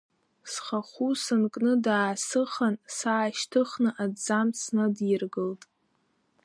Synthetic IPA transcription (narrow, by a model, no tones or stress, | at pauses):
sχaχusɨnkʼnɨdaːsɨχansaːʃtʰɨχnɨʔad͡zamt͡sʰnɨdɪrɡɨltʼ